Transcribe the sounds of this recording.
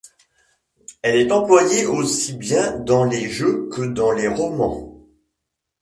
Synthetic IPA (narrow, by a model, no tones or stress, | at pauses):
ɛlɛt̪ɑ̃plwajeʔosibjɛ̃d̪ɑ̃leʒøkəd̪ɑ̃leʁɔmɑ̰̃